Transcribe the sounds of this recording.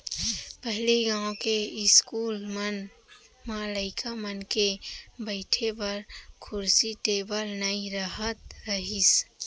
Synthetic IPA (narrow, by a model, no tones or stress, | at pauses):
pəɦɪleɡãːõkeɪskuːlmən | maləɪkʰamənkebəɪʈʰebəɾkʰʊɾsiʈeːbəlnəiɾəɦət̪ɾəɦis